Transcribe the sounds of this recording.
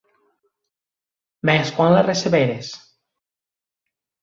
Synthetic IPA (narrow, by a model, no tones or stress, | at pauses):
bɛskɔnlereseβeɾes